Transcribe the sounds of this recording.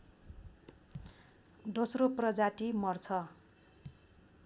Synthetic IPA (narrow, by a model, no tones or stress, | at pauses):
d̪osroprʌd͡zat̪imʌrt͡sʰʌ